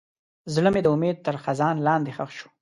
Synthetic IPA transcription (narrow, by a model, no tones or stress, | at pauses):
zləmed̪əʊmed̪̚t̪əɾxazɑnlɑnd̪exaxʃu̥